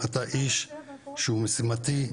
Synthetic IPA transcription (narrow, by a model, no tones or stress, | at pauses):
at̪aʔiʃʃeumesimat̪i